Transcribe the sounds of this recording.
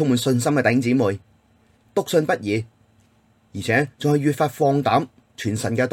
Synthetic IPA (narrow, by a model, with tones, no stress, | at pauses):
ʊ˥ŋmuː˨˧nsɵ˧nsɐ˥mkɛ˧t̪ɐ˨jhɪ˥ŋt͡siː˨˥mu˨j | t̪ʊ˥k̚sɵ˧npɐ˥t̚jiː˨˧ | jiː˨˩t͡sʰɛː˨˥t͡sʊ˨ŋhɵ˧ɥyː˨t̚faː˧t̚fɔː˧ŋt̪aː˨˥m | t͡ʃʰyː˨˩nsɐ˨˩nkɛː˧t̪